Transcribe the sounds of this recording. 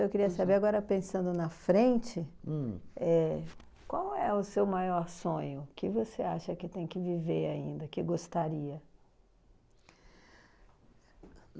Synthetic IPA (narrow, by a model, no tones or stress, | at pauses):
ewkɪɾiɐsabeɾaɡɔɾɐpẽsɐ̃nd̪ʊnɐfɾẽt͡ʃɪ̃ | ɛ | kʷwawɛʊsewmajɔɾsõɲʊkɪvoseaʃɐkɪt̪ẽj̃kɪviveɾaḭ̃nd̪ɐkɪɡost̪aɾiɐ